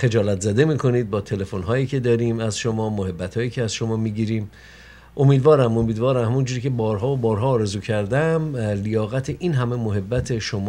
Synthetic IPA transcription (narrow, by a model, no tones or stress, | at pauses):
xe̞d͡ʒɒːlæt̪zæd̪e̞miːkʰo̞niːd̪̚bɒːt̪ʰe̞le̞fonɦɒːjiːcʰe̞d̪ɒːɾiːmæzʃo̞mɒːmoɦe̞bːæt̪ʰhɒːjiːcʰeæz̥ʃo̞mɒːmiːɟiːɾiːm | ʔo̞miːd̪vɒːɾæmomiːd̪vɒːɾæmhæmund͡ʒuːɾiːcʰe̞bɒːɾɦɒːobɒːɾɦɒːɾe̞zuːcʰæɾd̪æmlijɒːɣæt̪ʰeʔiːnɦæme̞moɦe̞bːæt̪ʰe̞ʃomː